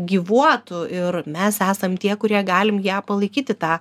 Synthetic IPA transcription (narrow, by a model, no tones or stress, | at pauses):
ɡʲiːʋuɔt̪ʊɪɾmʲɛsæːsɐmt̪ʲiɛkʊɾʲiɛɡɑːlʲɪmjæːpɐlˠɐɪkʲiːt̪ʲɪt̪ɑː